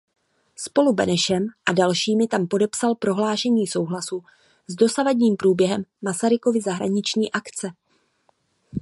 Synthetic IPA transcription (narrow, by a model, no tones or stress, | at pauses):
spo̞lubɛ̰nɛʃɛmʔadalʃiːmɪt̪ampo̞dɛpsalpɾo̞ɦlaːʃɛɲiːso̞wɦlasu | zdo̞savadɲiːmpɾuːbjɛɦɛmːasaɾɪko̞vɪzaɦɾa̰ɲɪt͡ʃɲiːʔakt͡sɛ